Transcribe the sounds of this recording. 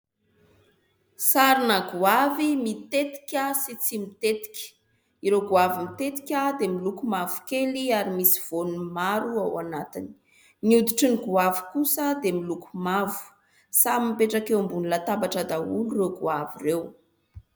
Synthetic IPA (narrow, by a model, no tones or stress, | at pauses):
saɾinaɡuavimit̪et̪i̥kʲasit͡simit̪et̪i̥kʲə̥ | iɾoɡuavimit̪et̪i̥kʲad̪emilukumavu̥keliaɾimisiv̥onumaɾuawanat̪ini̥ | niud̪iʈ͡ʂiniɡuavi̥kusəd̪emilukumavu̥ | samimpeʈ͡ʂakewmbunilat̪abaʈ͡ʂad̪auluroɡuavirew